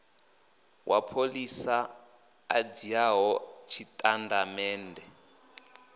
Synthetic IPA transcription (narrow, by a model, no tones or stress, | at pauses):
wʔapʰolisa | ad͡ziaɦɔt͡ʃʰitʼandamɛːndʱɛ